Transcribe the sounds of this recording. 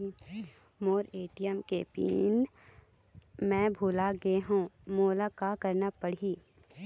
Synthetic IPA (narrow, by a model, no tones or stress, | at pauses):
moːɾeːʈijəmkeːpḭːn | mɛ̃bʱuːlaɡeɦũmoːlakakəɾnapəɽ̤iː